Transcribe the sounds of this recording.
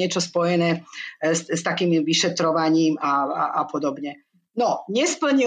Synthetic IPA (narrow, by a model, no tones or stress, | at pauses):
ɛt͡ʃɔspɔjɛnɛːsst̪akiːmiʋiʃɛt̪ɾɔʋaɲiːmaaʔapɔd̪ɔbɲɛ | nɔɲɛspl̩ɲi